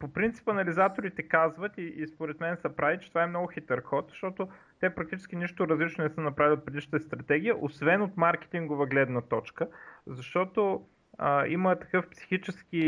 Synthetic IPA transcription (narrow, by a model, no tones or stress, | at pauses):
popɾint̪si̥pɐnɐlizat̪oɾit̪ɛkazvət̪iːspoɾɛt̪mɛnsɐpɾavit͡ʃɛ̥t̪ovaɛmnɔɡʊxit̪ɛɾxɔt̪z̥ʃt̪ɔt̪o | t̪ɛpɾɐk̚t̪it͡ʃɛ̥sk̟ʲiniʃt̪ʊɾɐzlit͡ʃnonɛsənɐpɾavʲilʲiot̪̚pɾɛd̪iʃnət̪əst̪ɾɐt̪ɛɡʲijəʔosvɛnot̪maɾk̟ɛ̥t̪iŋɡovəɡlɛd̪nɐt̪ɔt͡ʃkəzɐʃt̪ɔt̪o | əimət̪ɐ̥kɤfpsi̥xit͡ʃɛsk̟i